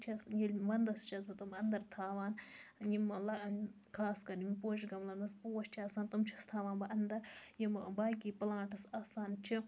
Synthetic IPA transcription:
t͡ʃʰɐsjilʲʋɐnd̪ɐst͡ʃʰɐsbɐt̪umɐnd̪ɐɾt̪ʰaːʋaːnjimlɐ | kʰaːskɐɾjimpoːʃ̬ɡɐmlɐnɐspoːwɐʃt͡ʃʰiaːsaːnt̪umt͡ʃʰɐst̪ʰaːʋaːnbɐʔɐnd̪ɐɾjimbaːkiːplãːʈɐsaːsaːnt͡ʃʰi

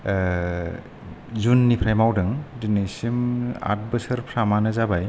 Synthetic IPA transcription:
zunːipʰɾajmawdɯŋdinɯsima̰t̚bɯsɯɾpʰɾamanɯzabaj

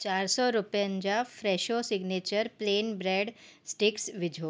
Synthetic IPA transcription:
t͡ɕaɾsɔɾupjə̃nd͡ʑafɾɛʃosiɡnet͡ɕəɾpleːnbɾeɖsʈiksʋid͡ʒʱo

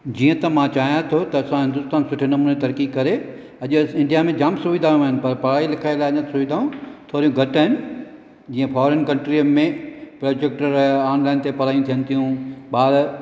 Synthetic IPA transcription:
d͡ʑiːə̃t̪ɐmãt͡ɕaːɦijãt̪ʰot̪ɐːsãɦɪ̃nd̪ʊst̪aːnsʊʈʰɪnɐmuːnet̪ɐɾkikɐɾe | ɐʄʊɪ̃ɳɖijamẽd͡ʑaːmsuʋid̪ʱaːjũaːɦɪnɪ̆pɐɾpɐɽaːilɪkʰaːelaːɐɲə̃t̪sʊʋid̪ʱaːũt̪ʰoːɾijũɡʱɐʈaɦɪnɪ̆ | d͡ʑiːə̃fɔːɾənkɐ̃ɳʈɾimẽpɾoːd͡ʑek̚ʈəɾaːnlaːɪnt̪epɐɽ̤aːjũt̪ʰijə̃nɪ̆t̪ʰijũɓaːd̪

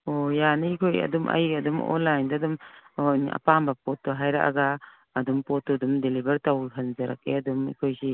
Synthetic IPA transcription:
ojanɐikʰojɐ̰dumʔɐ̰jɐdumɔ̰nlajndadumnɐ̰pambɐpotːuɦajɾa̰ka̰ɡaː | dumpotːudumdelibɐɾtɐwhʰɐnzɐɾak̚ḛɐdumḭkʰojsi

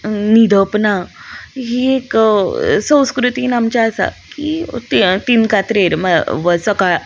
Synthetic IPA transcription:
nid̪ʱəpnaɦiek | sə̃w̃skɾut̪iːnamt͡ɕaəsa̰kit̪t̪inkat̪ɾeɾməʋəsəka

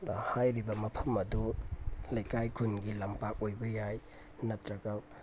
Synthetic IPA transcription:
hajɾibɐmɐpʰɐmɐdulɐjkajkʰunɡilɐmpak̚ojbɐjaj | nɐtɾɐɡɐ

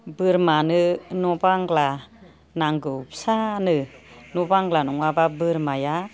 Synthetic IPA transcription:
bɯɾmanɯnɔbaŋɡla | naŋɡɯwpsanɯnɔbaŋɡlanɔŋwababɯɾmaja

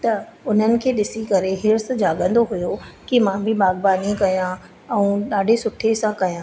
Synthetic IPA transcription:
t̪ɐʊn̤ənɪ̆kʰeːɗɪsikɐɾeɦɪɾsd͡ʑaːɠə̃nd̪oɦʊjokimãbʱɪbaːɡbaːnikɐjã | ɛ̃ũɗaːɖʱesʊʈʰesãkɐjãː

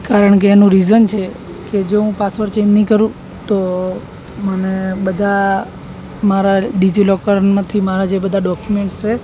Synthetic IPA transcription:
kaɾəɳk̬eːnũɾizənt͡ʃʰe | ked͡ʒoɦũpasʋəɾt͡ʃeinːĩkəɾũ | t̪o | mənebəd̪ʱa | maɾaɖid͡ʒilɔkəɾmãt̪ʰimaɾad͡ʒebəd̪ʱaɖɔkjumeɳʈst͡ʃʰe

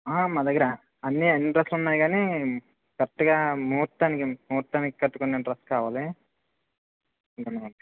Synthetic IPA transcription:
aːmaːd̪ɐɡːɐɾa | ɐnːiinːɳʈɐɾɐsʈunːaːjɡaːni | kɐʈːɐɡaːmuːɾt̪ːaːnikimuːɾt̪ːaːniki̥kɐʈːukunːeɳʈɾɐstkaːʋaːli | ɡ̪ɐnɐɐ

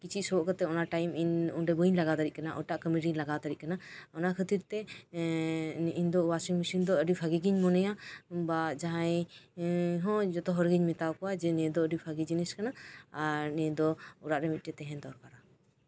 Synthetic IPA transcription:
kit͡ʃʰit̪̚sɔbɔʔkət̪ɛɔnaʈajminṵnɖɛbəɲlaɡat̪d̪aɾit̪̚kanaʔɔʈaʔkəmiɾiɲlaɡad̪aɾiʔ̚kanaɔnakʰət̪iɾt̪ɛ | nʔind̪ɔwasiŋmisind̪ɔəɖipʰaɡiɡiɲmɔnɛjabad͡ʒaɦãj | ɦɔ̃d͡ʒɔt̪ɔɦɔɾɡiɲmɛt̪awkɔwad͡ʒɛnɛd̪ɔəɖipʰaɡid͡ʒinɛskanaaɾnɛd̪ɔuɾaʔɾɛmit̪̚ˀʈɛt̪ɛɦɛ̃d̪ɔɾkaɾa

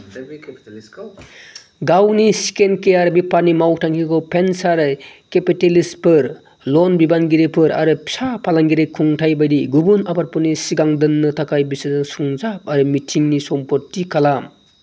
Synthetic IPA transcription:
ɡawnisi̥kenkejaɾbipaɾnimawk̚tʰaŋkikɔpʰensaɾkepitelispɯɾ | lɔnbibanɡiɾepʰɯɾa̰ɾɯpsapʰalaŋɡiɾekʰuŋtʰajbajdiɡubunabaɾ̚pɯɾnisiɡaŋdɯnːɯtʰakʰajbisɯnɯsuŋzap̚aɾɯmitʰiŋnisɔmpɔɾtikalam

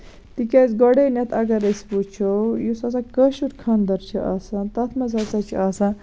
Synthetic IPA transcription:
t̪ikʲɐzɡɔɽenʲɐt̪ʰɐɡɐɾɐsput͡ʃʰojusɐsɐkəʃuɾkʰɐnd̪ɐɾt͡ʃʰiʔɐsɐ̃t̪ɐt̪ʰmɐzɐsɐt͡ʃʰiɐsɐ̃

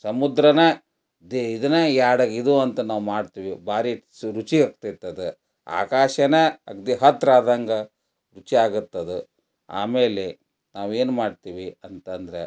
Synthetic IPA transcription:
sɐmud̪ɾɐne | d̪id̪ɐnejaːɽɐɡid̪uɐnt̪ɐnaːʋumaːɖt̪iːʋibaːɾi | ɾut͡ʃiɐk̚t̪it̪ːɐd̪u | a̰ːkaːʃɐneɐkd̪iɦɐt̪ːɾaːd̪ɐŋɡɐ | ɾut͡ʃiaːɡut̪ːɐd̪u | a̰ːmeːle | naːʋeːnmaːɖt̪iːʋiɐnt̪ɐnd̪ɐɾḛ

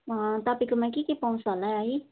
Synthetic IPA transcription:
at̪apikumakikipɔŋsɔnaai

